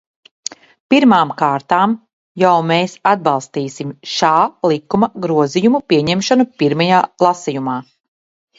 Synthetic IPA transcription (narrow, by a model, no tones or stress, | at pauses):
piɾmaːmkaːɾt̪aːm | jawmeːsad̪̚bɑlˠst̪iːsimʃaːlˠikːumɐɡɾuɔzijumupiɛɲɛmʃanupiɾmajaːlˠasijumaː